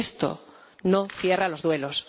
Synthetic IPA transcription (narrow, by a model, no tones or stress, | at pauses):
st̪o̰ | nofje̞ralo̞zðwe̞los